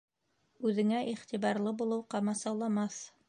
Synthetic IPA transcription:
ʉðɘ̆ŋæʔiχt̪iβɑɾlˠɤbulˠɤwqɑmɑsɑwlˠɑmɑθ

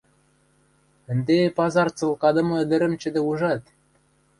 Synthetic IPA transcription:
ɘ̆nd̪epɑzɑrt͡sɤ̆lˠkɑd̪ɤ̆mɤ̆ɘ̆d̪ɘ̆ɾɘ̆mt͡ɕɘ̆d̪ĕuʒɑt̪

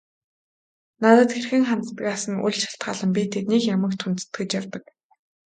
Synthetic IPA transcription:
nat̪ə̆t̪xerxɘ̆ŋχant̪ət̪ə̆kasə̆nṵɮʲt͡ɕʰḁɬt̪̚ɢa̰ːɮə̆mpʲit̪ʰet̪̚nikjamə̆k̚t̪ʰunt̪ɘ̥̆t̪ɡɘ̆t͡ɕjawt̪ə̆k

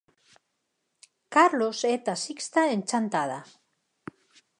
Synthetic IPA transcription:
kaɾloset̪asikst̪aent͡ʃant̪aða̰

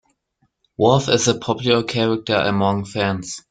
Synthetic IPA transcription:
wɔlθɪzəpʰɔpʰjulˠəkʰɛɹək̚tə˞ʔə̰mʌ̃ŋfæ̃nz̥

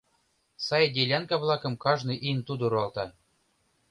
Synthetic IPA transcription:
sɑjdʲelʲɑnkɑβlˠɑkɤ̆mkɑʒnɨʔint̪ud̪ɤ̆ɾɑlˠt̪ɑ

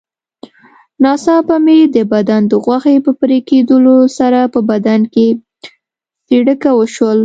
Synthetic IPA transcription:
nɑsɑpamed̪əbad̪and̪əɣwaxepəpəɾeked̪əlosaɾapəbad̪anke | siɽəkawəʃwəl

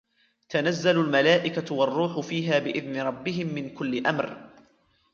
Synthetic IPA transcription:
t̪anazːalʊlmalaːʔɪkawɑrˤːuːħʊfiːɦaːbɪʔɪðnɪɾˤɑbːɪɦɪmːɪnkʊlːɪʔamɾ

